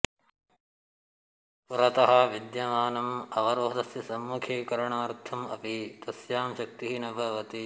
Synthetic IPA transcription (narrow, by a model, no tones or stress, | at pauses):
puɾɐt̪ɐɦɐʋid̪jɐmaːnɐmɐʋɐɾoːɦd̪ɐsjɐsɐmːukʰeːkɐɾɐɳaːɾt̪ʰɐmɐ̰pit̪ɐsjaːmʃɐk̚t̪iɦinɐbʱɐʋɐt̪i